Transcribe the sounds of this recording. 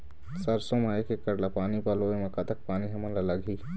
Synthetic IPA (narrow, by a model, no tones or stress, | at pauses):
səɾsõmaekekəɾlapaːnipaloemɐkat̪ək̚paːniɦɐmənlalaɡʱiː